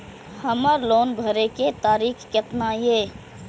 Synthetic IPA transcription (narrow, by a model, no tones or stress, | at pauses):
həməɾloːnbʱəɾeket̪aːɾikʰket̪naje